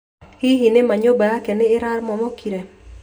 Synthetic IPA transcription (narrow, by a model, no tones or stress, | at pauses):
hɪɦinemaɲobaakenɪɪɾaɾmɔmɔkʰiɾe